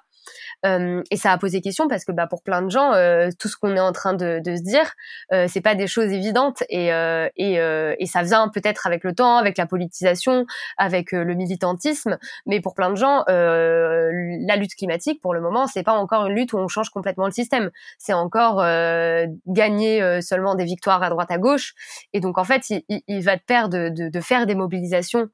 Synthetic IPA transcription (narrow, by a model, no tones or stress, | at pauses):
ømesaːpozekʲɛst̪jɔ̃paʁsə̥kəbapuʁplɛ̃d̪əʒɑ̃øt̪usə̥kɔ̃nɛɑ̃t̪χɛ̃d̪əd̪əs̬əd̪iːʁøsɛpad̪eʃozevid̪ɑ̃t̪eøeøesavjɛ̃pøt̪ɛt̪χavɛklət̪ɑ̃avɛklapɔlit̪izasjɔ̃avɛkʰøləmilit̪ɑ̃t̪ismmɛpuʁplɛ̃d̪əʒɑ̃ʔø | lalyt̪klimat̪ik̚puʁləmɔmɑ̃sɛpaɑ̃kɔʁynlyt̪uɔ̃ʃɑ̃ʒkɔ̃plɛt̪mɑ̃ləsist̪ɛmsɛɑ̃kɔʁø | ɡaɲeøsœlmɑ̃d̪evik̚t̪waʁad̪ʁwat̪aɡoʃed̪ɔ̃kɑ̃fɛt̪iliilvat̪əpɛʁd̪əd̪əd̪əfɛʁd̪emɔbilizasjɔ̃